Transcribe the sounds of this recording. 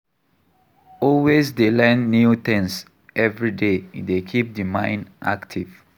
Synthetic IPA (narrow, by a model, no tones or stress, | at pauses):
ɔlwesdelɛ̃nːut̪ɛ̃ns | ʔɛvɹidedekʰip̚dimãj̃nʔa̰ktʰiv